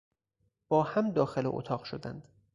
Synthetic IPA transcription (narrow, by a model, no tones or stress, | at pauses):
b̥ɒːhæmd̪ɒːxelḛʔo̰t̪ʰɒːɢʃod̪æ̰nd̪̥